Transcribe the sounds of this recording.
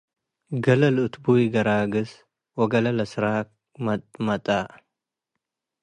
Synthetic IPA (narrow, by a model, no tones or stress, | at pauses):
ɡɐlɐlɨt̪bujiɡɐɾaːɡɨs | wɔɡɐlɐlɐsɾak | mɐmɐt̪ʼa